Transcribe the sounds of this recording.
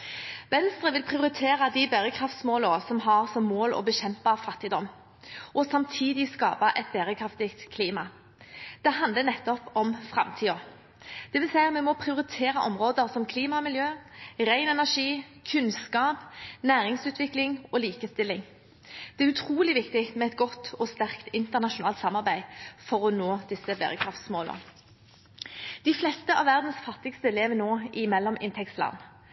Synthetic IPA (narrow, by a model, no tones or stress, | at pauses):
ʋɛnst̪ɾʁəʋɪlpʰʁɪʊɾɪt̪ʰeːɾɑd̪ibæːɾəkʰʁɑft̪smoːləsɔmɦɑʁsɔmːoːlɔ̰bəɕɛmpɑfɑt̪ːɪd̪ɔmː | ʔɔsɑmt̪ʰiːd̪ɪskɑ̰ːpɑʔɛt̪̚bæʁəkʰɾɑft̪ɪkt̪kʰːliːmɑ | d̪̥ɛɦɑnd̪lənɛt̪ːɔpɔmfʁɑ̰mt̪ʰiːɔ | d̪̥ɛʋɪlsæɪɑmɛnmɔpʰʁɪʊɾɪt̪ʰeːɾɑʔɔmʁoːd̪əɾsɔmkʰliːmɑmɪljøːʁæɪnɛnæʂiːkʰʉnskɑːpnæːʁɪŋsʉːt̪ʰʋɪklɪŋɔːliːkəst̪ɪlːɪŋ | d̪̥ɛæɾʉt̪ʰʁuːlɪʋɪkt̪ɪmɛɛt̪ɡɔt̪ːɔst̪æʁkt̪ɪnt̪əʁnɑʃʊnɑ̰ːlt̪sɑmɑʁbæɪfɔʁɔnoːd̪ɪsːəbæ̰ːʁəkʰɾɑft̪smoːlə̰ | d̪̥ɪflɛst̪əʔɑ̰ʋæʁd̪n̩sfɑt̪ːɪkst̪əleːʋənoːʔɪmɛlːɔmɪ̰nt̪ʰɛkst̪lɑ̰n